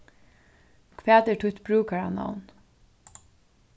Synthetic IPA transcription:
kʰʋæːt̪ɛʈʰʊt̪bɾʉːkaha̰na̰ʊn

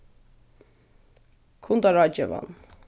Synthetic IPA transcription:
kʰunt̪ɑɾɑt͡ʃɛ̰vɑ̰n

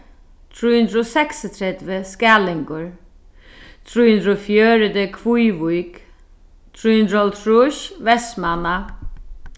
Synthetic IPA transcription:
t̪ʰɾuːhʉnd̪ɾosɛksət̪ʰɾɛd̪ʋəskæːlɪŋkʊɹ | t̪ʰɾuːhʉnd̪ɾofjøːɾəd̪əkʰʋujʋujk | t̪ʰɾuːhʉnd̪ɾɔlt̪ʰɾuʃʋɛsmana

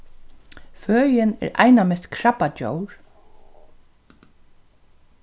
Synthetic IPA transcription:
fœːjɪnɛ̰ɾʔa̰jnamɛst̪kʰɹapat͡ʃo̰wɹ

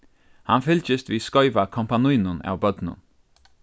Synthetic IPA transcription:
ha̰nfɪlt͡ʃəst̪ʋiːskɔʏʋakʰɔmpanujnʊna̰wbœd̪nʊ̰n

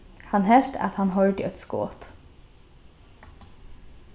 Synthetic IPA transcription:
hɑnhɛlt̪ʰɑ̰t̪hɑnhɔld̪ɪɛt̪sko̰ːt̪

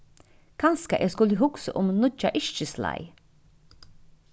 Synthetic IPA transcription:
kʰanskaʔɛːskʊləɦʊksəʔʊmnʊt͡ʃːaʔɪʃt͡ʃəsla̰j

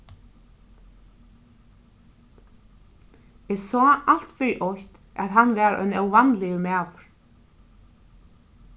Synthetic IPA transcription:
ɛsɔːʔal̥t̪fɪɾiʔɔçt̪ | a̰ðɦanːvɛːɾœ̰nœwvanlɪjʏmɛːvʏɾ̥

